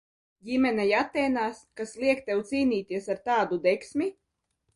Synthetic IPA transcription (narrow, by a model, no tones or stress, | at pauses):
ɟʲimʲɛnɛjat̪ːɛːnaːskaslˠiɛkt̪ɛwt̪siːniːt̪iɛsaɾt̪aːd̪ud̪ɛksmʲi